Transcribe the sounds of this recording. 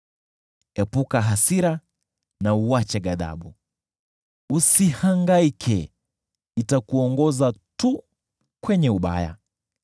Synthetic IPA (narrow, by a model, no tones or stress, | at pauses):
ɛpukaɦasiɾa | nauat͡ʃɛɡaða̰ɓu | usihaŋɡaikʰɛ | itakuɔŋɡɔzatu | kwɛɲɛuɓa̰ja̰